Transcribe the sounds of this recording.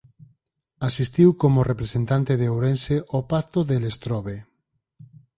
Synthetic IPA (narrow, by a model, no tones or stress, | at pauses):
asist̪iwkomorepɾesent̪ant̪eðeowɾenseʔopakt̪oðelest̪ɾɔβe